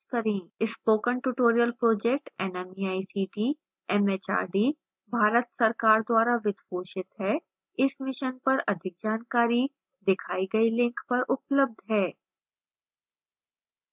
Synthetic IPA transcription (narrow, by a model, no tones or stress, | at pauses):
kɐɾẽːɪspoːkənʈuʈoːɾijəlpɾoːd͡ʒeːk̚ʈɛnɛmiaːisiːʈiː | ɛmeːt͡ʃa̰ːɖi | bʱaːɾət̪sɐɾkaːɾd̪waːɾaʋɪd̪poːʃɪt̪ɦɛː | ɪsmɪʃənpɐɾɐd̪ʱɪk̚d͡ʒaːnkaːɾi | d̪ɪkʰaːiɡɐilɪ̃ŋkpɐɾʔʊpləb̚d̪ʱɦɛː